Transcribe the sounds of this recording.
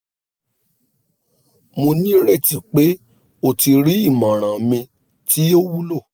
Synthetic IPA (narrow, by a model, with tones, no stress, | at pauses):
mo˧nĩ˦ɾɛ˦˨ti˨k͡pe˨˦ | o˧˨ti˧ɾi˨˦i˦˨mã˨ɾ̃ã˨mĩ˧ | tʰi˦o˦wu˦lo˦˨